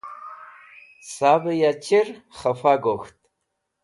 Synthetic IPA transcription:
saːbɐjat͡ʃʰɪrχɐfaɡʷoxtʼ

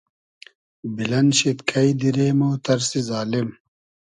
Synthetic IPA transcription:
bilɐnɕit̪kʰɐid̪iɾeːmoːt̪ɐɾsizaːlim

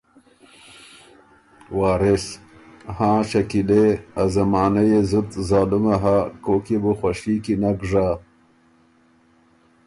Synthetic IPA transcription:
waːɾes | hãːɕɐkileazɐmaːnɐjezut̪zaːlumɐɦakokibuxwaʂiːkinaɡʐa

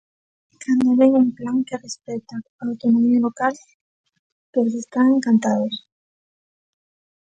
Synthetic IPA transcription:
kʰand̪oβeŋuŋplaŋkerespɛt̪aaːwt̪onomialokal | peɾs̬est̪aŋeŋkant̪aðos

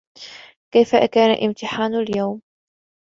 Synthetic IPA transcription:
kajfa̰kaːna̰ʔɪmt̪ɪħaːnaljawm

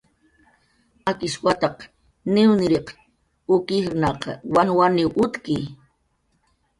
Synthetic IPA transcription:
akɪswat̪ɑq | nɪwnɪɾeq | ʊkɪχnɑqɑ̰wanwanɪwʔʊt̪kij

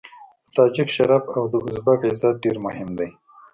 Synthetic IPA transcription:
d̪̥ət̪ɑːd͡ʒɪkʃaɾafawd̪əʊzbakɪzɑt̪̚ɖeɾmʊhɪmd̪aj

